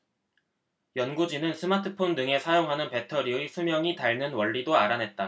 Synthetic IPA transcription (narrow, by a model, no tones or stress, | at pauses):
jʌnɡud͡ʑinɯnsʰɯmatʰɯpʰondɯŋe̞sʰajoŋɦanɯnpe̞tʰʌɾiɯsʰumjʌŋitaɭnɯnwʌɭːidoaɾanɦe̞t̚t͈a